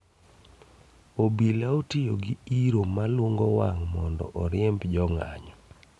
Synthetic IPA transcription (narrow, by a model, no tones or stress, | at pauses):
obilaotijo̰ɡɪiɾomalwoŋɡɔwaŋmɔndɔ̰ʔɔɾɪɛmbd͡ʒɔŋa̰ɲɔ